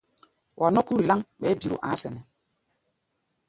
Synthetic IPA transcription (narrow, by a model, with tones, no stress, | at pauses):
wʔa˨nɔ˦ku˦ɾi˨la˦ŋɓɛ˨˦bi˨ɾṵ˨ʔã̰˨˦sɛ˨nɛ˨